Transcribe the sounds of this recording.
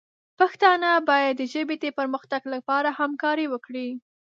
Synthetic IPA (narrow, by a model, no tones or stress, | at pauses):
paxt̪ɑnabɑjad̪ːəʒəbet̪epəɾməxt̪aɡlapɑɾahamkɑɾiwəkɽi